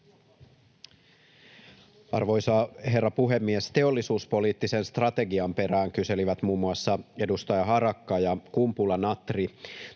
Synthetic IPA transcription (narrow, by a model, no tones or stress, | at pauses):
ɑ̰rʋo̞jsɑhe̞rːɑpuɦe̞mːiest̪e̞o̞lːisuːspo̞liːt̪ːisenst̪rɑt̪e̞ɡiɑmpe̞ɾæːŋkyse̞liʋæt̪muːmːuɑsːɑe̞dust̪ɑjɑɦɑɾɑkːɑjɑkumpulɑnɑt̪ri